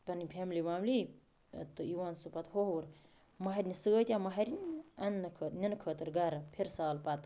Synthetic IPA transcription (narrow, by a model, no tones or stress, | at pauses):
pɐnipʰʲeːmlimaːmli | t̪ɨiwaːnsupɐt̪hoɦɾ | mɐɦɐɾʲnisɨɡət̪ʲjamɐɦɐɾʲinɐnːɐkʰət̪nʲɐnkʰəːt̪ɨɾɡaɾɐpʰeɾsaːlpat̪